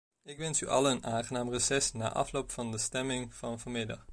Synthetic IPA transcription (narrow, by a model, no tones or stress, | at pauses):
ɪkʋɛnsy̰ʔɑ̰lˠənʔaːŋχənaːmrəsɛsna̰ːʔɑ̰flowpfɑndəstɛmɪŋv̥ɑnvomɪdɑ̰χ